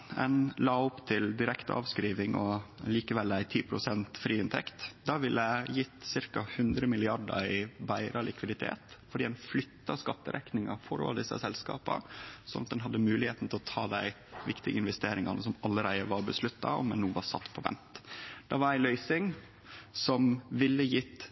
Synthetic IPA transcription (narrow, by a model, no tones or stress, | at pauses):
ɛnlɑːʊpt̪ʰɪld̪ɪɾɛkt̪ɑ̰ːʋskɾiːʋɪŋɔliːkəʋɛlːæɪt̪ʰiːpʰɾʊsɛnt̪fɾiːɪnt̪ʰɛkt̪d̪ɑʋɪlːəæjɪt̪ːsɪɾkɑhʉnd̪ɾəmɪlɪɑɖəɾɪbæɪɾʔɑlɪkʋɪd̪ɪt̪ʰḛːt̪fɔɖiːd̪ɛnflʏt̪ːɑskɑt̪ːəɾʔɛknɪŋɑfɔɾo̰ld̪ɪsːɑ̰sɛlskɑ̰ːpə̰sɔnʔɑt̪̚d̪ɛnɦɑd̪ːəmʉːlɪheːt̪n̩t̪ʰɪlɔt̪ʰɑ̰ːd̪æɪ | ʋɪkt̪ɪɡəɪnʋɛst̪eːɾɪŋɑnəsɔmɑlːəɾæɪəʋɑɾbəslʉt̪ːɑ̰ɔ̰mɛnːuːʋɑɾsɑt̪ːpʰɔʋɛ̰nt̪d̪̥ɑʋɑɾæɪlœʏsɪŋ | sɔmʋɪlːəjɪt̪ː